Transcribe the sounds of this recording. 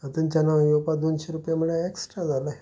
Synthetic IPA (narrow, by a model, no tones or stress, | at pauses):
ət̪ənt͡ɕanajowpad̪onɕeɾupjamuɽjeeksʈɾad͡zalaɦ